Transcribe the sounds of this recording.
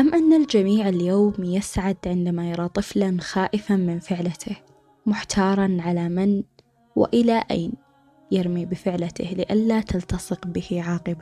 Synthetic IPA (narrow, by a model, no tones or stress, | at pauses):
ʔamːʔanːald͡ʒamiːʕɪljoːmjɪsʕad̪ʕɪnd̪amajɑɾˤɑːt̪ˤɨflanxaːʔɪfamɪnfɪʕlat̪ʰɪh | mʊħt̪ʰɑːɾˤɑnʕalamɪn | wɪ̰ʔɪlaʔa̰ːn | jɪɾmibɪfɪʕlat̪ɪ̰hlɪʔalːat̪ʰalt̪ɑsˤɨqbɪhʕɑːqɨba